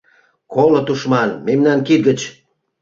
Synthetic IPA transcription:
kolot̪uʃmɑnmemnɑnkit̪̚ɡə̆t͡ɕ

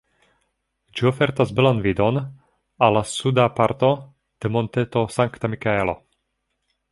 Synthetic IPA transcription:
d͡ʒiofeɾt̪azbelanvid̪on | alːasud̪apaɾt̪o̞ | d̪̥emo̞nt̪et̪o̞saŋkt̪amikaelo̞̰

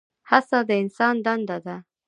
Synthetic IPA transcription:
hasad̪əɪnsɑnd̪and̪ad̪a

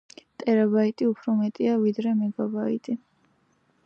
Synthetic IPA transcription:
t̪ʼɛɾabait̪ʼiupʰɾɔmɛt̪ʼiavid̪ɾɛmɛɡabaḭt̪ʼi

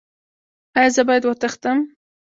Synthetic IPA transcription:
ajɑzəbɑjad̪wat̪əxt̪əm

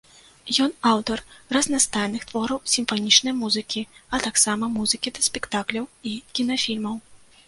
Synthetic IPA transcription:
jɔnawt̪ɐrrɐznast̪ajnɨxt̪vɔɾɐwsʲimfanʲit͡ʂnɐjmuzɨkʲiɐt̪aksamɐmuzɨkʲid̪ɐsʲpʲɛkt̪aklʲɐwikʲinɐfʲilʲmɐw

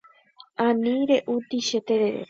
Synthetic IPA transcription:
ãnĩɾeʔut̪iʃet̪eɾeɾḛ

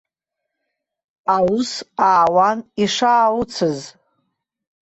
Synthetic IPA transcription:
awʊsaːwaniʂaːwʊt͡sʰɨz

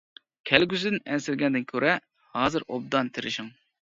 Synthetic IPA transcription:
kʲʰɛlɡʲys̬ɪd̪ɪnɛnsɪɾɡʲɛnd̪ɪnkʲʰøɾʔɛ | hɑːzɨɾʔo̰b̚d̪ɑnt̪ʰɪɾɪʃɪŋ

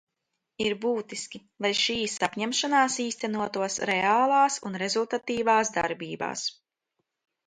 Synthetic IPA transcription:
iɾbuːt̪iskʲi | lˠajʃiːsapɲɛmʃanaːsiːst̪ænuɔt̪uɔsɾɛaːlˠaːsunɾezulˠt̪at̪iːvaːsd̪a̰ɾbiːba̰ːs

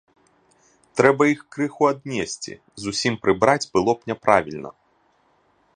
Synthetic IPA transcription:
t̪ɾɛbɐixkɾɨxuad̪nʲesʲt͡sʲḭ | zusʲimpɾɨbɾad͡zʲbɨlˠɔpnʲɛpɾavʲilʲnɐ̰

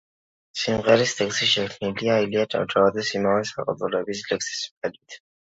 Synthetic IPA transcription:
simʁɛɾist̪ʰɛksiʃɛkʰniliailiatʼa̰d͡ʒʼavad̪ɛsimavɛsaqʼa̰d̪ʼulɛbislɛksi̥spɛd̪it̪ʰ

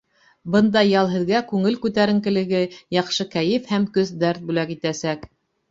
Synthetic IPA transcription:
bɤ̆nd̪ɑjɑlˠɦɘ̆ðɡækʉŋɘlkʉt̪æɾɘ̆ŋkɘ̆lɘ̆ɡɘjɑqʃɤkæjɘfhæmkɵzd̪æɾt̪̚bʉlækit̪æsæk

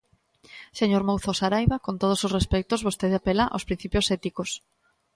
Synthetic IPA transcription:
seɲoɾmowθosaɾajβakont̪oð̞ososrespɛkt̪ozβost̪eðeapelaʔa̰spɾin̟θipjosɛt̪ikos

